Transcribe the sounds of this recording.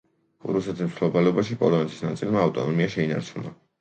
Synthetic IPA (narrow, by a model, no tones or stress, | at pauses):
ɾusɛt̪ʰismt̪ʰlɔbalɛɔbaʃipʼɔlˠɔnɛt̪ʰi̥snat̪sʼilmaːft̪ʼɔnɔmiaʃɛina̰ɾt͡ʃʰuna̰